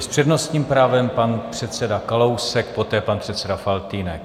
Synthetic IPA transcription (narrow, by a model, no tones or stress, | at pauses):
spr̥ɛdnost̪ɲiːmpɾaːvɛmpanpr̝̥ɛt̪sɛdakalowsɛk̚po̞t̪ɛːpanpr̝̥ɛt̪sɛdafalt̪iːnɛk